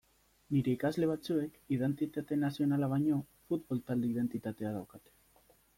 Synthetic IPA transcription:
niɾe̞ikazle̞β̞at͡sue̞kiðe̞nt̪it̪at̪e̞nasio̞nalaβajɲo̞ | fut̪̚bo̞lt̪ald̪eið̞e̞nt̪it̪at̪e̞að̞awkat̪e̥

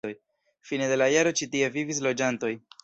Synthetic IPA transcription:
oj | fine̞de̞lajaɾo̞t͡ʃitie̞vivis̬lo̞d͡ʒanto̞j

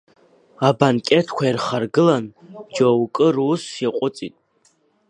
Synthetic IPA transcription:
abankʲʼetʰkʷʰairχarɡɨland͡ʒowkʼɨrːsjaqʷʼʊt͡sʼḭtʼ

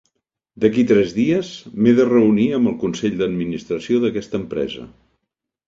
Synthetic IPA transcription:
d̪əkit̪ɾɛzðiəzmeðərəuniəmbəlˠkunsɛʎd̪əd̪minist̪ɾəsioðəkɛst̪əmpɾɛ̰zə̰

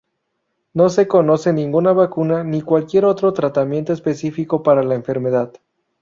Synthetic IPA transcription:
no̞se̞ko̞no̞se̞nĩŋɡunaβakunanikwalkje̞ɾo̞t̪ɾo̞t̪ɾat̪amjent̪o̞espe̞sifiko̞paɾalaeɱfe̞ɾme̞ðað

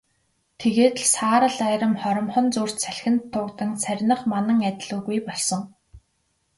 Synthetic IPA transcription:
t̪ʰeɣeːt̪ɮsaːɾə̆ɮæːɾə̆mχɔɾɞ̆mχɞ̆nt͡suːr̥t͡ɕsʰæɬxʲɘ̆nt̪ʰːʊːkt̪ə̆ŋt͡sʰærʲnə̆χmanə̆ŋæt̪ʲɮuːɣujpɔɮsɞ̆ŋ

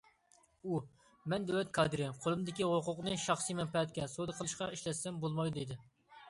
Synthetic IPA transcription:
u | mɛnd̪ɛwlɛt̪̚kʰɑd̪ɨɾɪqʰolˠɨmd̪ɪkʲiwoqʊqnɨʃɑχsijmɛmpɛɛt̪̚kʲɛsod̪ɨqʰəlˠɨʃqɑiʃlɛsɛmbolˠmɑjd̪ed̪ɪ

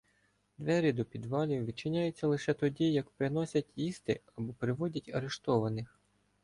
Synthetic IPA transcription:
d̪ʋɛɾʲid̪ɔpʲid̪ʋɑlʲiwʋʲit͡ʃɪnʲajʊt͡sʲːɐlˠɪʃɛt̪ɔdʲijɐkpɾɪnɔsʲɐtʲjist̪ɪɐbɔpɾɪʋɔdʲɐtʲɐɾeʃt̪ɔʋɐnɪx

